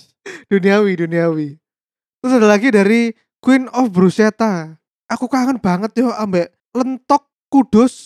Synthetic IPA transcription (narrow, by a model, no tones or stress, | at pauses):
d̥uniawiduniawi | t̪ɾʊsadalaɡidaɾi | kwɪnɔfbɾuset̪a | ʔakukaaŋanb̥aŋət̪̚jɔambɛʔ | lənt̪ɔkːuɖ̥ʊs